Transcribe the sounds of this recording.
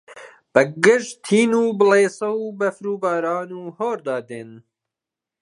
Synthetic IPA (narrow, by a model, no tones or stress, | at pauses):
b̥əɡɪʒt̪ʰiːnuːbɨleːsɐwbɐfɾuːbɑːɾɑːnuːhoːɾd̪ɑːd̪eːn